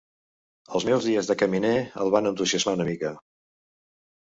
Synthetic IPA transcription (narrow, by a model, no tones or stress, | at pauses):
əlˠzmɛwzðiəzðəkəmineə̰lˠβanənt̪uziəzmaunəmikə